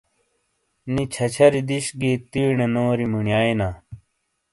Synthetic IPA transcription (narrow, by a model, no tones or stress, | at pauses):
nit͡ɕʰɐt͡ɕʰɐɾid̪iɕɡit̪iːɳenoːɾimuɳjaːinaː